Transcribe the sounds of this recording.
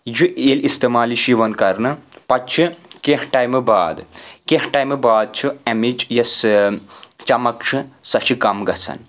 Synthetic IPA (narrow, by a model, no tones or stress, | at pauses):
juʔelist̪emaːliʃiʋɐnkɐɾnɨpɐt͡ʃʰɨkeɦʈajmɨbaːd̪keɦʈajmɨbaːd̪̚t͡ʃʰuɐmid͡ʒjɐs | t͡ʃɐmɐkʂʰɨsɐt͡ʃʰikɐmɡɐsʰɐ̰n